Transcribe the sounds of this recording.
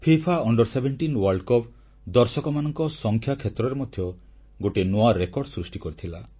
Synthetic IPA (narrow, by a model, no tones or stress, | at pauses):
pʰipʰaɔɳɖɔɾsebeɳʈinwɔɾɖkɔpʰ | d̪ɔɾsɔkɔmanɔŋkɔsɔŋkʰjakʰjet̪ɾɔɾemɔd̪ʱjɔ | ɡoʈenoaɾekɔɾɖsɾusʈikɔɾit̪ʰila